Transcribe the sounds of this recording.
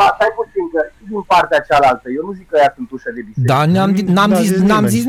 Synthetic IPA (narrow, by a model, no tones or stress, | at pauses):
at̪ajput̪iŋkət͡ʃid̪inpaɾt̪eat͡ʃalalt̪əjewnuzikːəjasɨnt̪uʃad̪ebisd̪anaminamzisnamzis